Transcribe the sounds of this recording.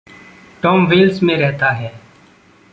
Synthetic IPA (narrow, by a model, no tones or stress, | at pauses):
ʈoːmʋɪːlsmẽːɾɛɦt̪aːɦɛː